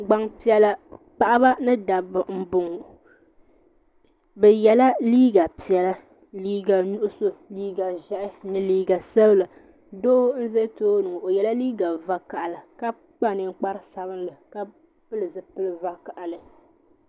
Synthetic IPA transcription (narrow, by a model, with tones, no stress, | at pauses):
ɡ͡ba˦ŋpi˦ɛ˦la˦k͡pa˦ʔa˦ba˦nɨ˦da˨bɨ˨m̩˦bʊ˨ŋ˨ | bɛ˨jɛ˨la˦liː˦ɡa˨pi˨jɛ˨la˦ | liː˦ɡa˨nu˦ʔʊ˦so˦liː˦ɡa˨ʒa˦ʔɪ˦nɨ˦liː˦ɡa˨sa˦bla˨ | doː˦n̩˦ze˦toː˦nɨ˨ʔo˨jɛ˨la˦liː˦ɡa˨va˦ka˨ʔa˨la˨ka˦ | k͡pa˦˨nɨ˨ŋ˦k͡pa˦ɾɨ˦sa˨βɨ˦nlɨ˨ka˦ | pɨ˦lɨ˨zɨ˦pɨ˦lɨ˨va˦ka˨ʔa˨lɨ˨